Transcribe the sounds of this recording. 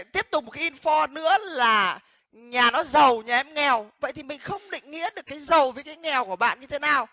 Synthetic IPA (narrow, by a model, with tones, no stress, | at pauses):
t̪i˦˥əp̚t̪ʊ˨˩k͡p̚ŋ͡mmo˩kaː˨˦i˧nfɔ˧nɨ̰˧˥əlaː˨˩ | ɲaː˨˩nɔ˨˦zə˨˩wɲaː˨˩ʔɛ˧mŋɛ˨˩wvə̰˧˨jt̪ʰi˨˩mï˨˩ŋ̟xə˧wŋ͡mɗḭ̈˧˨ŋ̟ːḭ˧˥əɗɨ˨˩əkːaː˨˦jzə˨˩wvəː˨˦jkaː˨˦jŋɛ˨˩wku˧˩əɓa̰ː˧˨nɲɨ˧t̪ʰe˨˦naː˨˩w